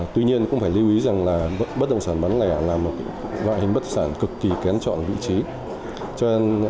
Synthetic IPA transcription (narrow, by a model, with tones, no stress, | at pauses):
t̪wi˧ɲi˧ənkʊ̰˧˥ŋ͡mfaː˧˩jli˧wʔi˨˦za˨˩ŋlaː˨˩ɓə˦˥t̚ɗə̰˧˨wŋ͡msaː˧˩nɓa˨˦nlaː˧˩˨laː˨˩mːo˨˩˦va̰ː˧˨hï˨ŋ̟ɓə˦˥t̚saː˧˩nkɨ˨˩kːi˨˩kɛ˨˦nt͡ɕɔ̰˧˨nvḭ˧˨t͡ɕi˨˦ | t͡ɕɔ˧e˧n